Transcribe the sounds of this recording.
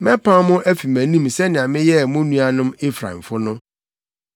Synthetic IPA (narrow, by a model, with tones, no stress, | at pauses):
mɛ̃˦pʰã˦mʊ̃˦ʔæ˦fi˨mæ̃˨nĩ˦msɛ˦nɪ̃˨ã˨mɪ̃˦jɛ˦˨mʊ̃˦nũ˦a˦nʊ̃˦mɪ˦fɾa̰˨m̩˨fʊ˦nʊ̃˦